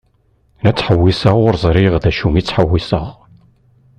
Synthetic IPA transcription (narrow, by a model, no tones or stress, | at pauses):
næt͡sːħəwːisəʁʊɾzˤɾiʁðæʃumit͡sːħəwːisəʁ